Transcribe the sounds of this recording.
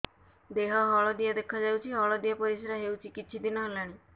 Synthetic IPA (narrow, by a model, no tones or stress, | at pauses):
d̪eɦɔɦɔɭɔd̪ijad̪ekʰad͡ʒawt͡ʃʰiɦɔɭɔd̪ijapɔɾisɾaɦewt͡ʃʰikit͡ʃʰid̪inɔɦlaɽ̃i